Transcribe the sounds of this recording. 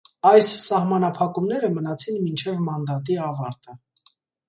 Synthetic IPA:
ɑjssɑhmɑnɑpʰɑkumnɛɾəmənɑt͡sʰinmint͡ʃʰɛvmɑnd̪ɑt̪iɑvɑɾt̪ə

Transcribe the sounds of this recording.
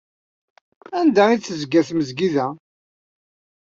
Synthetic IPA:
ænd̪æit͡sːəzɡæθməzɡiðæ

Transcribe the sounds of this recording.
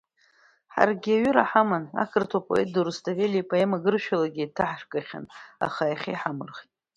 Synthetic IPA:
ħa̰rɡʲiaɥʏɾa̰ħamana̰kʰɨrtʰapʼo̞̰et̚duɾɨstʰʼavelipʼoemaɡɨrʃᶣalaɡʲiitʰaħʂkʼaχʲa̰na̰χajaχʲijħamɨrχʲtʼ

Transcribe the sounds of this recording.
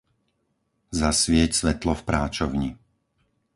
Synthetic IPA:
zasʋɪɛcsʋɛt̪lɔfpɾaːt͡ʃɔʊɲi

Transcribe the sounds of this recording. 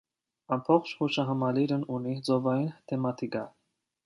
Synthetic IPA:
ɑmbʰɔχt͡ʃʰhuʃɑɦɑmɑliɾənunid͡zɔvɑjint̪ʰɛmɑt̪ʰikɑ

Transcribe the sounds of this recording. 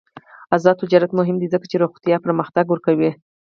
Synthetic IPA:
azɑd̪̚t̪ʊd͡ʒɑɾat̪mʊɦɪmd̪izəkḁt͡ʃeɾoxt̪ijɑpəɾməxt̪aɡwəɾkawi

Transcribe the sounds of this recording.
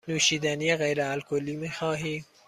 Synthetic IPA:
nuːʃiːd̪ænijeɣejɾealkʰoliːmiːxɑːɦiː

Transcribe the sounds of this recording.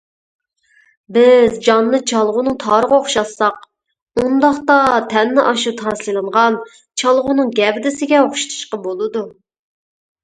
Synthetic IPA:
bɪzd͡ʒɑnːɨt͡ʃʰɑlˠʁʊnɨŋt̪ʰɑːɾəʁɑoχʃɑsːɑq | und̪ɑχt̪ɑt̪ʰɛnːɪʔɑʃut̪ʰɑslˠɨlˠɨɴʁɑn | t͡ʃʰɑlˠʁʊnɨŋɡʲɛvd̪ɪsɪɡʲɛoχʃi̥t̪ʰɨ̥ʃqɑbolˠɨd̪u

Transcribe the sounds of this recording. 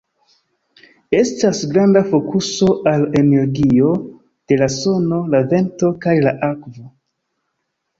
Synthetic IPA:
e̞stasɡɾandafo̞kuso̞ʔale̞neɾɡio̞ | d̥e̞laso̞no̞lave̞nto̞kajlaʔakvo̞

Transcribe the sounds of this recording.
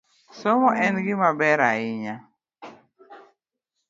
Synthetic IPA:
sɔmɔʔɛnɡɪmabɛɾa̰ɪɲa

